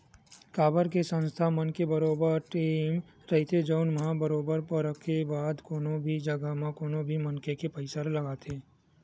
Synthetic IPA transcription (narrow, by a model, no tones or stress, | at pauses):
kaːbəɾkesə̃nst̪ʰamənkebɐɾoːbəɾʈiːm | ɾɐɦit̪ʰed͡ʒɔːnmɐɦãbəɾoːbəɾpəɾɾəkʰːebaːd̪koːnõbʱid͡ʒɐɡamãkoːnobʱimɐnkekepəɪsəɾlɐɡaːt̪ʰeː